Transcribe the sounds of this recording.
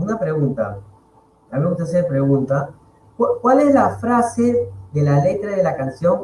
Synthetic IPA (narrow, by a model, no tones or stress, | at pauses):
unapɾe̞ɣunt̪a̰ | ameut̪es̬eɾpɾe̞ɣunt̪a | kwakwale̞zlafɾaseðe̞lale̞t̪ɾaðelakansjo̞ŋ